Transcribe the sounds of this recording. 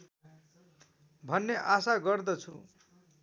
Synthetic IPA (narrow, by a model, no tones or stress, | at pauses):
bʱʌnːeʔasaɡʌrd̪ʌt͡sʰu